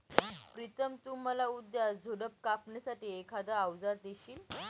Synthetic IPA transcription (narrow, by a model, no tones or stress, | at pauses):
pɾit̪əmt̪uːm̤əlaud̪jad͡zʱoɽəp̚kapɳjasaʈiːekʰad̪aawd͡zaɾd̪eɕiːl